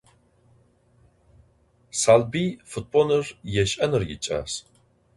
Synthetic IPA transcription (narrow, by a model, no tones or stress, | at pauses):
salbifut̚ʼbonɨrjɛʃʔɐnɨrjḭt͡ʃʼa̰s